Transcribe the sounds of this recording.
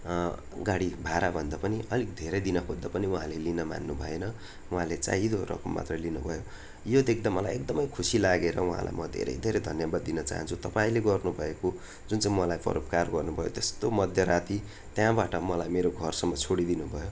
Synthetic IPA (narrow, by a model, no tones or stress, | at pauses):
ɡaɽibʱaɾabʱʌnd̪apʌniʌlik̚d̪ʱeɾʌjd̪inʌkʰod̪ːapʌniũɦãlelinʌma̰nːubʱʌenʌ | uɦãlet͡sa̰id̪oɾʌ̰kʌmːa̰t̪rʌlinubʱʌjo | jod̪ekʰd̪amʌla̰jek̚d̪ʌmʌjkʰusilaɡeɾʌwũɦã̰lʔa̰jmʌd̪ʱḛɾʌ̰jd̪ʱeɾʌjd̪ʱʌnjʌbad̪ːinʌt͡sa̰ɦʌ̰nt͡sʰut̪ʌpaĩleɡʌrnubʱʌeko | d͡zunt͡saĩmʌlajpʌ̰ɾop̚karɡʌrnubʱʌjot̪est̪omʌd̪ʱjʌɾat̪i | t̪jãbaʈʌmʌlajmeɾoɡʱʌrsʌmːʌt͡sʰoɽid̪inubʱʌjo